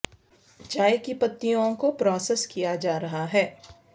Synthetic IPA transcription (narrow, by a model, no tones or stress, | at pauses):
d͡ʒaːjkipɐt̪ːijõkopɾɔːseskijad͡ʒaːɾɐɦaɦɛː